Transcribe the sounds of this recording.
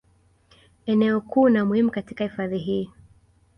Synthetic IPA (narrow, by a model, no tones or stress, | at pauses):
ɛnɛɔkuːnamuhimukatikahifaðiɦiː